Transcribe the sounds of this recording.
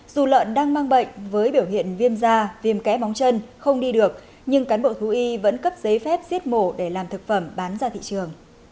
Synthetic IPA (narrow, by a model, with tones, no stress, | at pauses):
z̥u˨˩lə̰ː˧˨nɗaː˧ŋmaː˧ŋɓə̰˧˨jŋ̟vəː˨˦jɓi˧˩əwɦḭ˧˨ənvi˧əmzaː˧vi˨˩mkɛ̰˧˥ma˨˦wŋ͡mt͡ɕə˧nxə˧wŋ͡mɗi˧ɗɨ˨˩ək̚ | ɲɨ˧ŋkaː˨˦nɓo̰˧˨t̪ʰu˨˦ʔi˧və̰˧˥nkə˦˥p̚zə˨˦jfɛ˦˥p̚zi˦˥ət̚mo˧˩ɗe˧˩laː˨˩mt̪ʰɨ˨˩k̚fə˧˩mɓaː˨˦nzaː˧t̪ʰḭ˧˨t͡ɕɨ˨˩əŋ